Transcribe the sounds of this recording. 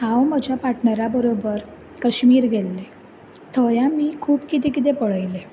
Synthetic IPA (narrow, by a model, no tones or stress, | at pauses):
ɦãwməd͡ʑʱjapaʈʰɳəɾabəɾobəɾ | kəɕmiːɾɡʱelːe | t̪ʰəjãmiːkʰuːpkit̪ekit̪̬epəɭəjle